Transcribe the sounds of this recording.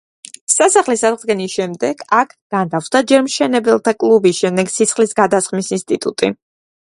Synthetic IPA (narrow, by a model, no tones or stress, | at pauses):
sasaχlisad̪ʁd̪ɡɛniʃɛmd̪ɛɡ̥ʰakʰɡ̥and̪afsd̪ad͡ʒɛɾmʃɛnɛbɛlˠt̪ʰakʼlˠubisʃɛmd̪ɛɡsit̪sʰχlisɡad̪asχmisinst̪ʼit̪ʼṵt̪ʼi